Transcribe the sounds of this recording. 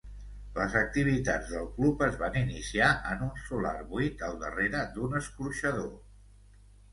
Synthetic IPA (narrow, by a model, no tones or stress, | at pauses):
ləzək̚t̪iβ̞it̪ad͡zðəlˠklupəzβaninisiaʔənunsula̰rβuit̪əlˠd̪ə̰reɾəd̪unəskuɾʃəðo